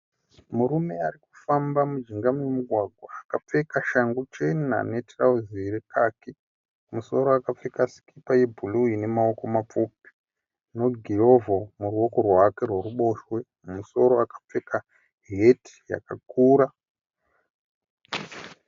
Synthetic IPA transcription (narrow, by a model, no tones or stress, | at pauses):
muɾume̞ariku̥fambamud͡ʒiŋɡamwemuɡʱwaɡʱwaːkap͡fe̞kaʃaŋɡot͡ʃenna̰netrauzirekake | muso̞ɾoakap͡fekasi̥kipajebʱuluine̞mao̞ko̞map͡fupi̥ | no̞ɡʱiɦo̞vomuruo̞ko̞rwake̞rweruɓo̞ʃwe̞ | muso̞ɾo̞akḁp͡fe̞ka | ɦe̞ti̥ja̰kakuːɾa